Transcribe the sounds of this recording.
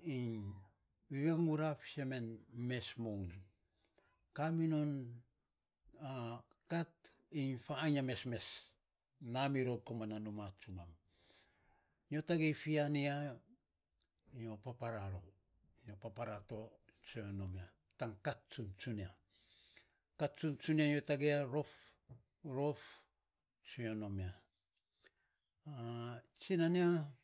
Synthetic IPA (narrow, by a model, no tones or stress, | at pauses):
iɲ | βiβeŋuɾafi̥seme̞nme̞smown | kaminon | akat | iɲfaːɲame̞sme̞s | namiɾokomananomat͡ʃumam | ijo̞taɡejfiania | io̞papaɾaɾo | iopapaɾato̞ | t͡ʃeonomia | taŋkatt͡ʃunt͡ʃunia | katt͡ʃunt͡ʃuniajotaɡeaɾo̞f | ɾof | t͡ʃiono̞mia | at͡ʃinania